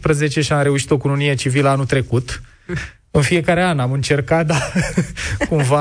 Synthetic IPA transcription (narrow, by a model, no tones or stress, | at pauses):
pɾəze̞t͡ʃe̞ʃiamɾe̞uʃi̥t̪o̞kununijet͡ʃiviləanut̪ɾe̞kut̪ | ɨnfije̞kaɾeanamɨnt͡ʃe̞rkat̪̚d̪a | kumva